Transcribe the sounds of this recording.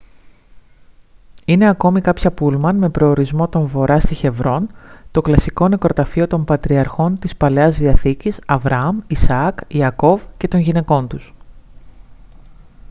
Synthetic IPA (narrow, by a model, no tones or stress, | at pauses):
ine̞ɐko̞mikɐpçɐpulmɐnme̞pɾo̞ːɾizmo̞t̪o̞ɱvo̞ɾʔɐst̪içe̞vɾo̞nt̪o̞klɐsiko̞ne̞kɾo̞t̪ɐfio̞t̪o̞mpɐt̪ɾiɐɾxo̞nt̪ispɐleɐzðiɐθicisɐvɾɐɐmisɐkiɐko̞vce̞t̪o̞nʝine̞ko̞nt̪us